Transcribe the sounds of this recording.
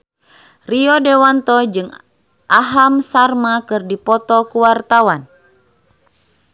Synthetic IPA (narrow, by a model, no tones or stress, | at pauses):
riɔdewant̪ɔd͡ʒɨŋ | ʔaɦamsarmakɨrdipɔt̪ɔkuwart̪awan